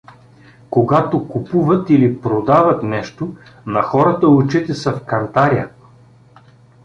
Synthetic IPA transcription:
koɡat̪okupuvət̪ilipɾod̪avət̪nɛʃt̪onɐxɔɾət̪əut͡ʃit̪ɛsɐfkɐnt̪aɾjə

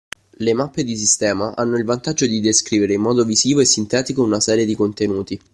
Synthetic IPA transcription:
lemapːed̪is̬ist̪ɛːmaʔa̰nːoilvant̪ad͡ʒːod̪id̪eskɾiːveɾeimːɔːd̪ovisiːvoesːint̪ɛːt̪ikounasɛːɾjed̪ikont̪enuːt̪i

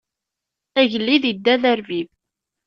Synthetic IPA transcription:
æʝəlːiðid̪ːæðæɾvið

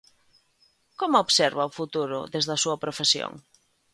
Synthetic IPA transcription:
komʊoβseɾβɐʊfut̪uɾʊ̰ðezðɐsuɐpɾofesjo̰ŋ

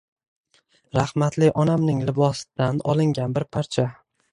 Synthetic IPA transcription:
ɾahmat̪lɪʔɒnamnɪŋlɪbɒsd̪̥anɒ̰lˠɪŋɡʲanbɪɾpʰaɾt͡ʃʰa

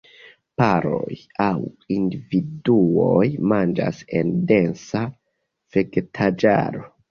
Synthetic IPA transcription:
paɾo̞j | aw | individuojmand͡ʒa̰se̞nde̞nsa | feɡtʰad͡ʒa̰ɾo̞

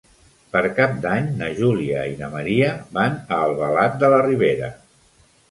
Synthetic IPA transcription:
pəɾkap̚d̪aɲnəʒuliə̰inəməɾiəbanəːlˠβəlat̪̚d̪ələriβ̞eɾə̰

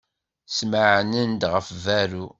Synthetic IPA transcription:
sməʕnənd̪ʁəfvæɾu

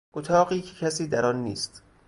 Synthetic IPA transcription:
ʔot̪ʰɒːɣiːcʰecʰæsiːd̪æɾɒːnːḭːst̪

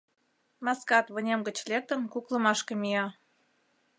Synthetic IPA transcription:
mɑskɑt̪βənʲemɡət͡ɕlek̚t̪ənkuklə̆mɑʃkemijɑ

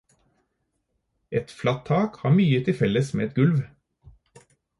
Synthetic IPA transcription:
ɛt̪flɑt̪ʰɑːkhɑːmyːət̪ʰɪfɛləsmḛːɛt̪ɡʉlʋ

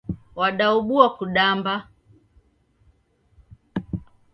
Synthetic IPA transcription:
waɗauɓuakuɗamba

